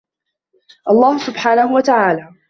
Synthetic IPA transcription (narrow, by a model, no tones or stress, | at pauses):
ʔɑlˤːɑːhʊsʊbħaːnahʊwat̪aʕaːlaː